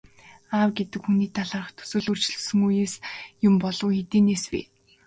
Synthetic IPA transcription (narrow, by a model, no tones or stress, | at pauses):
aːwɡet̪ɘ̆kxuniːt̪ʰaɮaːrə̆χt̪ʰɵ̥sɵ̆ːɮɵr̥t͡ɕɮɵ̥̆sɵ̆ŋujeːsjʊmpɔɮɞ̆wxet̪eːneːswḭː